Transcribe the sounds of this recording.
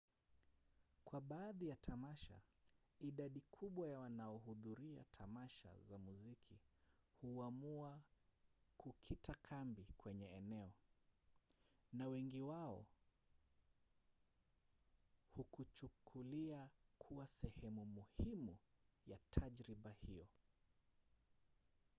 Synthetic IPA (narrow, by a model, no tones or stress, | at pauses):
kwaɓaːðijatʰamaʃa̰iɗaɗikʰuɓwajawanaɔɦuðuɾia̰tʰamaʃa̰zamuzikʰihuamua | kukʰitakʰambikwɛɲɛɛnɛɔ | nawɛŋɡiwaɔ̰ | hukut͡ʃukʰuliakʰuwasɛhɛmumuhimujatʰaʄɾiɓahijɔ